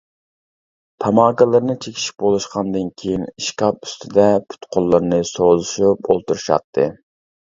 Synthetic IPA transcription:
t̪ʰɑmɑːɡɨlˠɨɾnɨt͡ʃʰekʲʰi̥ʃi̥p̚bolˠuʃqʰɑnd̪ɨnkʲʰejiniʃkʲɑp̚y̥st̪ʰɪd̪ɛpʰy̥t̪qʰolˠːɨɾnɨsozɨʃupolˠt̪uɾuʃɑ̰t̪ʰːɨ̰

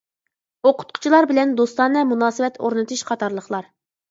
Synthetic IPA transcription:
oqʰʊ̥t̪̚qʰʊ̥t͡ʃʰilˠɑɾbɪlɛnd̪ost̪ɑnːɨmunɑːsɨwɛt̪ʰo̰ɾnɨt̪ʰuʃqʰɑt̪ʰɑɾlˠəχlˠɑɾ

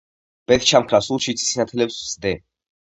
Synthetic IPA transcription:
b̥ɛt̪ʰt͡ʃʰamkʰɾasulˠʃit̪sʰi̥sinat̪ʰɛlɛpsvzd̪ɛ

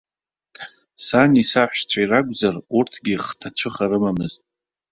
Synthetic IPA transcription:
sanisaħʷᶣʃt͡ʃʷʰairakʷʼzarurtʰɡʲiχtʰat͡ɕʷʰɨχaɾɨmamɨztʼ

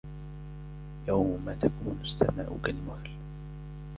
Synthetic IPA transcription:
jawmmat̪akuːnʊsːa̰maːʔʊkalmahal

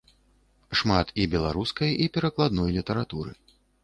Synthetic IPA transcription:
ʂmat̪ibʲɛlˠaɾuskɐjipʲɛɾɐklˠad̪nɔjlʲit̪ɐɾat̪uɾɨ̰

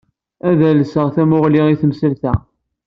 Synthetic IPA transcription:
æðæləsəʁθæmʊʁliʁiθəmsəlθæ̰

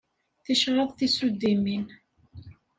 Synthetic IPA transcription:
θiʃɾˤɑðˤθisud̪ːimin

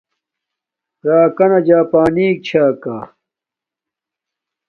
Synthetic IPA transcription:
ɾaːkɐnɐd͡ʑaːpaːniːk̚t͡ɕʰaːka̰

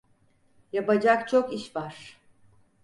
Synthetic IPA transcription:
japad͡ʒakt͡ʃʰokiʃvaɾ̥

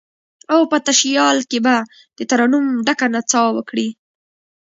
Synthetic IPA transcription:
awpət̪aʃjɑlkeba | d̪̥ət̪aɾɑnumɖakanat͡sɑwwəkɽi

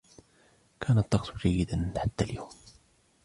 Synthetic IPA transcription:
kʰænət̪ˤːɑqt̪ʰuʒæjːəd̪ænħat̪ːæljoːm

